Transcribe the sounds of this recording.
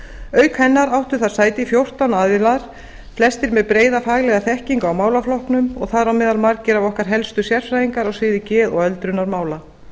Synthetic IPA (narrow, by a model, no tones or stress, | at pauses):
œːɥkhɛnːaɾawht̪ʏθaðɾ̥saːjt̪ɪifjowr̥t̪awnaðvɪlaɾ̥ | flɛst̪ɪɾmɛðpɾeːjðafaːɣlɛɣaθɛhciŋkaawmaːwlaflɔhknʏmɔɣθaðɾawmɛːðalmaɾkcɪɾavɔhkaɾ̥ɦɛlst̪ʏsjɛɾ̥fɾajiŋkaɾɔɣsɪːðɪcɛːðɔɣœlt̪ɾʏnaɾmaːwla